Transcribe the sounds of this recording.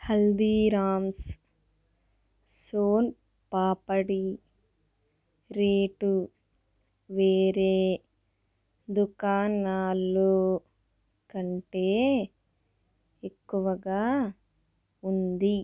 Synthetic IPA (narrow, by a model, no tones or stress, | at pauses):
hɐld̪iːɾaːms | soːn | paːpɐɽi | ɾeːʈu | ʋeːɾeː | d̪ukaːnaːloː | kɐɳʈeː | ekːuʋɐɡaː | und̪i